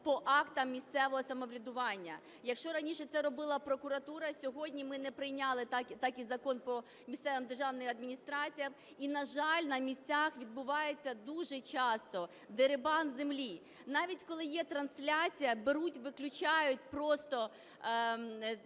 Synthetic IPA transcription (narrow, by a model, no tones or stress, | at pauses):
pɔʔɑkt̪ɐmːʲisʲt̪sɛʋɔɦɔsɐmɔʋɾʲɐd̪ʊʋɑnʲːɐ | jɐkʃt͡ʃɔɾɐnʲiʃɛt̪sɛɾɔbɪlˠɐpɾɔkʊɾɐt̪uɾɐsʲɔɦɔdʲnʲimɪnɛpɾɪjnʲalˠɪt̪ɑkt̪ɑkizɐkɔnpɔ | mʲist̪ɛʋɪmd̪erʒɑwnɪjɐd̪mʲinʲist̪ɾɑt͡sʲijɐm | inɐʒɑlʲnɐmʲisʲt͡sʲaxʋʲid̪̚bʊʋɑjet͡sʲːɐd̪uʒɛt͡ʃɑst̪ɔ | d̪eɾɪbɑnzemlʲi | nɑʋʲitʲkɔlˠɪjɛt̪ɾɐnsʲlʲat͡sʲijɐbeɾutʲʋɪklʲʊt͡ʃɑjʊt̚ʲpɾɔst̪ɔ